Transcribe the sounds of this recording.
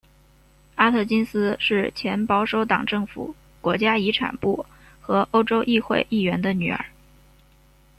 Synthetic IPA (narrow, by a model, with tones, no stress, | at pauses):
a˥t̪ʰɤ˥˩t͡ɕi˥nsɹ̩˥ʂɻ̩˥˩t͡ɕʰjɛ˧˥npɑ˥ʊʂo˥ʊt̪ɑ˨˩ŋʈ͡ʂɤ˥˩ŋfṵ˨˩ | kwɔ˧˥t͡ɕja˥i˧˥ʈ͡ʂʰa̰˨˩npu˥˩ | xɤ˧˥ʔo˥ʊʈ͡ʂo˥ʊʔi˥˧xwe˥˧ɪʔi˥˩ɥɛ˧˥nd̪ə˧ny̰˨˩ə̰˧˥